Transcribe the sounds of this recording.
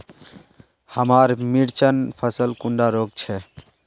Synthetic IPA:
həmaːɾmiɽt͡ʃənpʰəsəlkuɳɖaɾoːɡ̚t͡ʃʰɛ

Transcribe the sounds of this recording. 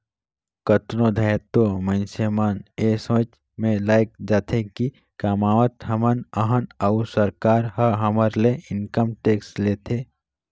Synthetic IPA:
kət̪nõd̪ʱəjt̪omə̃nsəmanesə̃t͡ʃ | mẽlaːjk̚d͡ʒaːt̪ʰeki | kaːmaːʋət̪ɦəmənəɦənəʊsəɾkaːɾɦəɦəməɾleɪnkəmʈeːksʈleːt̪ʰeː

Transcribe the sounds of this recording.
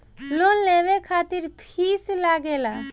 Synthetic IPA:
lonleʋekʰat̪iɾpʰislaɡela

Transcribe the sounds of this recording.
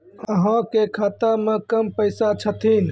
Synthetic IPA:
əɦãkekʰaːt̪amẽkəmpəɪsat͡ʃʰət̪ʰin

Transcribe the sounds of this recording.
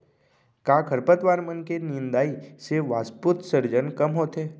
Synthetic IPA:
kaːkʰəɾpət̪ʋaːɾmənkenɪnd̪aːiseʋaːsput̪səɾd͡ʒənkɐmɦoːt̪ɦeː

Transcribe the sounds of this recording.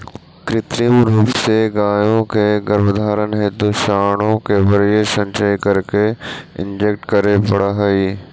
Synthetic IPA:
kɾɪt̪ɾiəmɾuːpseɡaːjõkʰeɡəɾʋəd̪ʱaːɾənɦeːt̪uʃaːɽ̃õkebɐɾiesɐ̃ɲʃəikɐɾkeɪ̰̃ɲd͡ʒek̚ʈkɐɾepɐɽaɦɐiː

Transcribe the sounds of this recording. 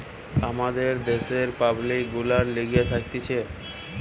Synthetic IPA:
amad̪eɾd̪eʃeɾpablik̚ɡulaɾliɡiet̪ʰak̚t̪et͡ɕʰe

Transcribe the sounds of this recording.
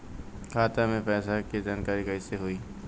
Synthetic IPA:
kʰaːt̪amẽpɛːsakid͡ʒaːnkaːɾikɐɪseɦʊiː

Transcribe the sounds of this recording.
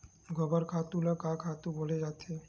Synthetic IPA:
ɡʱɔbaɾkʰat̪ulakakʰat̪uboled͡ʑat̪ʰe

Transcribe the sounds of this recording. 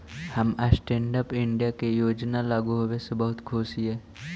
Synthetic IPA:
həməsʈẽːɳɖəpɪ̃ɳɖijakejoːd͡ʒnalaːɡuɦowesebɐɦʊt̪kʰʊsiɦɛː

